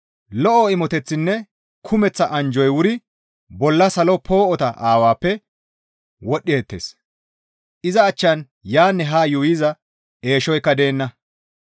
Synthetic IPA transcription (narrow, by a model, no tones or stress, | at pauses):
lɔʔɔɪmɔt̪ɛt͡sːɪnːɛ | kʰʊmɛt͡sːɐʔɐnd͡ʒɔjwʊɾɪ | bɔlːɐsɐlɔpʰo̞ːʔɔt̪ɐʔaːwaːpːɛ | wɔɗːɪɛt̪ːḛːs | ʔɪzɐːt͡ʃːɐn | jaːnːɛɦaːjʊwɪzɐ | e̞ːʃɔjkːɐd̪e̞ːnːɐ